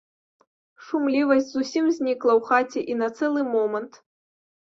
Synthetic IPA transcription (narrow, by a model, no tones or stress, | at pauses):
ʂumlʲivɐsʲt͡sʲzusʲimzʲnʲiklˠɐwxat͡sʲɛʔinɐt̪sɛlˠɨmɔmɐnt̪